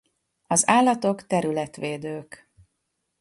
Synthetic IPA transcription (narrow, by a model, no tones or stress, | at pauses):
ɒzaːlːɒt̪o̞kt̪ɛɾylɛt̪ʋeːd̪øːk